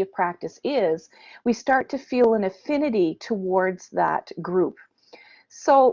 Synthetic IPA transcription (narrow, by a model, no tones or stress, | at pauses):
ʌv̥pʰɹ̥æk̚tɨsɪz̥ | wistɑɹtʰɨfilˠə̃nɨfɪ̃nɨɾiɾʰəwɔɹdz̥ðə̰t̚ɡ̥ɹup̚ | soʊ